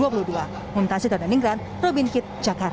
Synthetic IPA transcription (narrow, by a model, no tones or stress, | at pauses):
uapuludua | munt̪asid̪ananiŋɡɾan | robinkɪt̪̚d͡ʒakar